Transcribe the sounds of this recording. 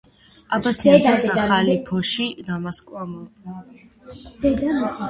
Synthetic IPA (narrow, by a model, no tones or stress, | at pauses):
abasiad̪asaχalipʰɔʃid̪amaskʼwamɔ